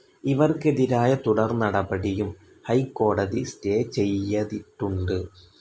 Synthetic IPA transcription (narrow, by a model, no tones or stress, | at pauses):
iʋɐrke̞ðiɾaːjɐt̪uɽɐrnɐɽɐbɐɽijum | hɐjkːo̞ːɽɐðisteːt͡ɕe̞jːɐðiʈːuɳɖɨ